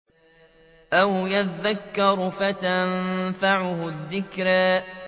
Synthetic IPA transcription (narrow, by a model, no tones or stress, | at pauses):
ʔawjaðːakːɑɾˤʊfat̪anfaʕʊhʊðːɪkɾaː